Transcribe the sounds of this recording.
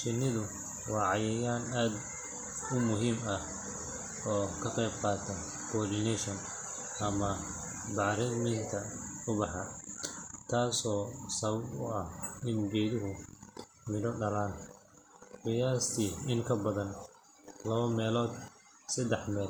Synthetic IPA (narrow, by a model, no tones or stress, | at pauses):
ʃɪnɪðʊ | wɑːʕɑjɛjaːnaːd̪ | ʊmʊɦiːmɐh | ɔːkʰɐqɛjb̚qɑːt̪ʰɐ | kʰɔːdɪnɛʃɐn | ɐmɐ | bɑʕɾɛd̪mɪŋt̪ʰɐʊbɑħɑ | t̪ʰaːsɔːsɐβɐbʊɐhɪnɡɛːðɪɦʊ | mɪnɔɖɐlaːn | qɪjaːst̪ʰiːɪŋkʰɐbɐðɐn | lɐβɐmɛːlɔːd̪ | sɐd̪ɛħmɛːl